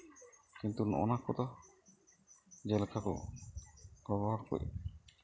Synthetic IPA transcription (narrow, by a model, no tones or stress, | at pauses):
kint̪unɔ̰nakɔt̪ɔ | d͡ʒɛlkʰakɔ̰ | ɡɔbɔɦɔɾkɔ̰j